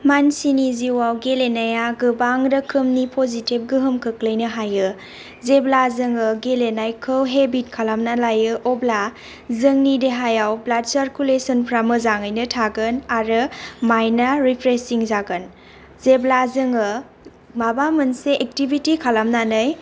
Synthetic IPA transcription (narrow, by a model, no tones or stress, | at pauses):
mansiniziwawɡelenajaɡɯbaŋdɯkʰɯmnipʰozitib̚ɡɯɦɯmkʰɯklɯjnɯɦajɯ | zeblazɯŋɯɡelenajkʰɯwɦebit̚kʰalamnalajɯʔɔbla | zɯŋnideɦajawblat̚sɐɾkulesɔnpʰɾamɯzaŋɯjnɯtʰaɡɯnaɾɯmajnaɾipʰɾesiŋzaɡɯn | zeblazɯŋɯ | mabamɯnseʔːk̚tibitikʰalamnanɯj